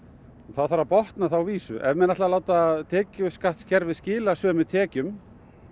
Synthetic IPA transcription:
nθaðθaɾapɔht̪naθawviːsʏ̰ʔɛ̰vmɛnaht̪lalaːwt̪at̪ʰɛːcʏskaht̪scɛɾvɪðscɪːlasœːmɪt̪ʰɛːcʏm

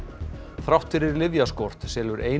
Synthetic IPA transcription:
θɾawht̪fɪɾɪɾlɪðjaskɔr̥t̪sɛːlʏɾʔeːj

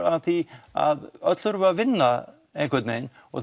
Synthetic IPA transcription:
aθia̰ðœt̪l̥ʏɾvavɪnːa | ejŋkʰʏt̪nḛn | ɔ̰θ

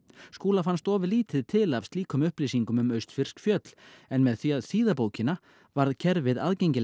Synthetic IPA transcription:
skuːlafanst̪ɔːvɪðliːt̪ɪðt̪ʰɪlav̥st̪liːkʰʏmʏhpliːsiŋkʏmʏmœɥst̪fɪr̥skfjœt̪l̥ɛnmɛðθviaðsiːðapoːwcɪna | vaɾðcʰɛɾvɪða̰ðcejɲcɪ

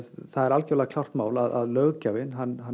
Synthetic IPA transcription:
θaðɛɾalcɛvlaakʰl̥awr̥t̪maːwlaðaðlœːɣcaːvɪnɦanːɦa

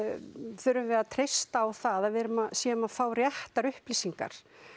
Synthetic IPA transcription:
θʏɾʏmvɛat̪ʰɾejst̪aːwθaðaðvɛːɾʏmaðsjɛːʏmaðfaːwrjɛht̪aɾʏhpliːsiŋka̰ɾ̥

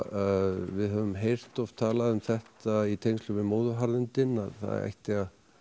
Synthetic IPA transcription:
vɪðɦœvʏmɦejr̥t̪ɔv̥t̪ʰaːlaðʏmθɛht̪ait̪ʰejŋst̪lʏmɪmoːðʏɦaɾðɪnt̪ɪnːaðθa̰ð̰ɾa̰jht̪ɪɣa

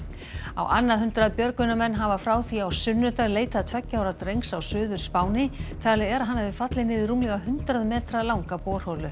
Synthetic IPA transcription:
a̰wʔanːaðɦʏnt̪ɾaðpjœɾkʏnːamɛnːɦavafɾaːwθiawsʏnːʏt̪aɾleːjt̪aðt̪ʰvɛcːawɾat̪rejŋsawsʏːðʏɾ̥spaːwnɪt̪ʰalɛɣɛɾaɦanːavɪfat̪lɪnɪðɪruːmlɛɣaɦʏnt̪ɾaðmɛːt̪ɾalawŋkapɔːr̥holʏ

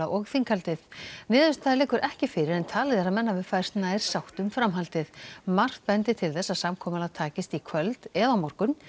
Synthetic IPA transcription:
aʔɔɣθiŋkʰalt̪ɪðnɪːðvɪst̪ʰalɛːkʏɾʔɛhcɪfɪɾɪɾɛnt̪ʰaːlɪθɛs̬amɛnːavɪðfaːsnaɛɾ̥sawht̪ʏmfɾamɦalt̪ɪðmar̥t̪̚pɛnt̪ɪt̪ʰɪlθɛsːasamkʰɔːmalat̪ʰaːcɪst̪ikʰvœlt̪ɛðawmɔr̥kʏn

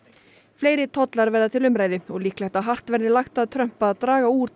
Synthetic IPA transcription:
fleːjɾɪt̪ʰɔt̪laɾvɛɾðat̪ʰɪlʏmɾaːjðɪɔɣliːklajht̪aɦar̥t̪vɛɾðɪlaxt̪aðt̪ʰɾœm̥paːðt̪ɾaːɣauːɾ

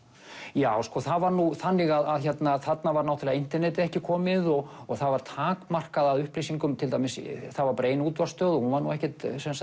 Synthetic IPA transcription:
jaːwskɔθaðvaɾnuθanːɪɣaðaðçɛt̪naθat̪navaɾnawt̪ʰlɛɣaint̪ɛɾnɛːt̪ɪɛhcɪkʰɔːmɪðɔɣ | ɔɣθaðvaɾ̥t̪ʰaːkmar̥kaðaðʏhplisiŋkʏmt̪ʰɪlt̪ajmɪsθaðvaɾpɾeːjnuːt̪vast̪œːðɔhunvaɾnuɛhcɛt̪sɛmsa

